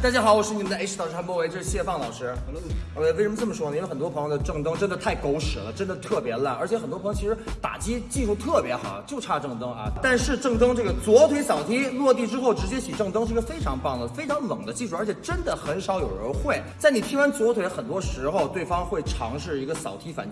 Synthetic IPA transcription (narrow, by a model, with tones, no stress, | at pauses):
t̪a˥˧t͡ɕja˥˩ɑ˨˥ʊwɔ˨˩ʂɻ̩˥˩i˧˥nd̪ə˧e˥ʂɻ̩˥˩ɑ˨˩ʊʂɻ̩ʰ˥mwɔ˥˧we˧ɪʈ͡ʂɤ˥˧˩ʂɻ̩˥˩ɕjɛ˥˧fɑ˥˩ŋlɑ˨˩ʊʂɻ̩˥˧˥ | we˥˩ɪʂə˧m˧ʈ͡ʂə˥˩mə˩ʂwɔ˥n˧˨˧xə˨˩nt̪wɔ˥pʰjd̪ə˩ʈ͡ʂɤ˥˩ŋt̪ɤ˥ŋʈ͡ʂə˥nd̪ə˨t̪ʰa˥˩ɪko˥ʊʂɻ̩˨˩lə˦ʈ͡ʂə˥nd̪ə˨˩t̪ʰɤ˥˩pjɛ˧˥la˥˩nə̰˞˧˥t͡ɕʰjɛ˧˥xə˨˩t̪wpʰt͡ɕʰi˥ʂɻ̩˧˥t̪a̰˨˩t͡ɕi˥t͡ɕi˥˧ʂu˥˧t̪ʰɤ˥˩pjɛ˧˥xɑ̰˨˩˦ʊt͡ɕjo˥˧ʊʈ͡ʂʰa˥˧ʈ͡ʂɤ˥˩ŋt̪ɤ˥ŋɐ̰˧t̪a˥˧nʂɻ̩˥˧ʈ͡ʂɤ˥˩ŋt̪ɤ˥ŋʈ͡ʂɤ˥˩ɡə˩t͡swɔ˧˥t̪ʰwe˧˥ɪsɑ˨˩ʊt̪ʰi˥lwɔ˥˧t̪i˥˩ʈ͡ʂɻ̩˥xo˥˩ʊʈ͡ʂɻ̩˧˥t͡ɕjɛ˥ɕi˨˩ʈ͡ʂɤ˥˩ŋt̪ɤ˥ŋʂɻ̩˥˩˧ə˧fe˥ɪʈ͡ʂʰɑ˧˥ŋpɑ˥˩ŋd̪ə˩fe˥ɪʈ͡ʂʰɑ˧˥ŋlɤ̰˨˩ŋd̪ə˦t͡ɕi˥˧ʂu˥˩ə˞˧˥t͡ɕʰɛ˧˩ʈ͡ʂə˥nd̪ə˨xə˧˥nʂɑ˧˥ʊjo˨˩ʊɻə̰˧˥nxwe˥˩ɪt͡sa˥˩ɪni˨˩t̪ʰi˥ŋwa˧˥nt͡swɔ˧˥t̪ʰwe˧˥xə˨˩nt̪wɔ˥ʂɻ̩˧˥xo˧ʊt̪we˥˩ɪfɑ˥ŋxwe˥˩ɪʈ͡ʂʰɑ̰˧˥ŋʂɻ̩˥˩i˧˥ɡə˧sɑ˨˩ʊt̪ʰi˥fa̰˨˩n